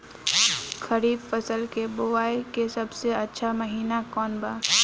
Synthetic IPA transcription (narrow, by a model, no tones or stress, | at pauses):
kʰəɾiːbfəsəlkeboʋaːekesɐbseɐtːʃʰaməɦiːnakɔːnbaː